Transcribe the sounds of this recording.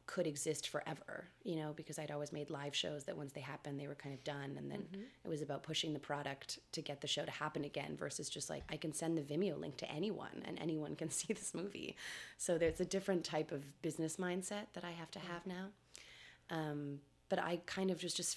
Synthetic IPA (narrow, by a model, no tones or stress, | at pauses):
kʰɨɾɨɡzɪstfə˞ʔɛvə̰˞jɨñoʊbɨkʰʌzaɪɨɾɔlˠwizmeɪdˡlaɪv̥ʃo̰ʊzðɨʔ̚wʌ̃nsðeɪɦæpɨ̃nðeɪwə˞kʰãɪ̃ndʌvdʌ̃nɨ̰̃nðɨ̰̃nɨt̚wʌzɨbaʊt̚pʰʊʃɪ̃ŋðɨpʰɹ̥ɑɾɨk̚tʰɨɡɛt̪̚ðɨʃoʊɾɨhæpɨ̃nɨɡɛ̰̃nvɜ̰˞sɨzd͡ʒʌst̚la̰ɪkaɪkɨ̃n̩sɛ̃nðɨvɪ̃mjoʊlɪ̰̃ŋk̚tʰɨ̰ʔɛñiwʌ̰̃nɨ̰̃nɛ̰niwʌ̃nkɨ̃nsiðɪsmuvḭsoʊðə˞zɨdɪfɹɨ̃ntʰaɪpʌvbɪznɨsmãɪ̃nd̥sɛt̪̚ðɨɾaɪɦæftɨəvnaʊ | ʔʌ̃m | b̥ʌɾa̰ɪkʰãɪ̃ndʌvd͡ʒʌsd̥ʒ̥ʌst